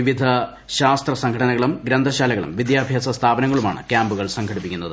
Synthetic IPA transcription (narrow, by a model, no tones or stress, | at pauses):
iʋid̪ʱɐ | ɕaːst̪rɐsɐŋɡʰʱɐʈɐnɐɣɐɭumɡɾɐnd̪ʱɐɕaːlɐɣɐɭṵmʋid̪jaːbʱjaːsɐst̪ʰaːbɐnɐŋːɐɭuma̰ːɳɨ̰kjaːmbuɣɐɭsɐŋɡʰʱɐɽipːikʲːunːɐðɨ